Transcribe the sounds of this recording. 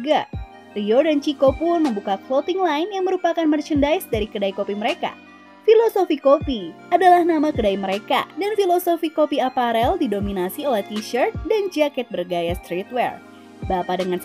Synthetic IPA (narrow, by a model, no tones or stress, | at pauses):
ɡa | riodant͡ʃikopʊnməmbukaklot̪iŋlaɪnjaŋməɾupakanmərt͡ʃəndaisdaɾikədaikopiməɾeka̰ | filosofikopiadalahnamakədaiməɾeka̰danfilosofikopiapaɾɛldidominasiolɛht̪iʃərt̪̚dand͡ʒakɛt̪̚bərɡajast̪ɾit̪̚wɛr | bapadəŋans